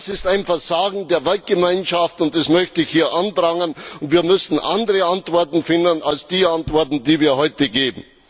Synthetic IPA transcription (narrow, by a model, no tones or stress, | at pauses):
sɪstaɪnfɛɐzaːɡŋ̩deːɐvɛlt̚ɡ̥əmaɪnʃaftʊnt̚d̥asmœçtəɪçhiːɐʔandʁaŋənʊntviːɐmʏsn̩ʔa̰ndəʁəantv̥ɔɐtn̩fɪndənalsd̥iːantvɔɐtn̩diːviːɐhɔʏtəɡeːbm̩